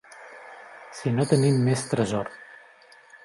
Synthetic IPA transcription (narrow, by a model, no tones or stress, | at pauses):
sinot̪ənimːest̪ɾəzɔr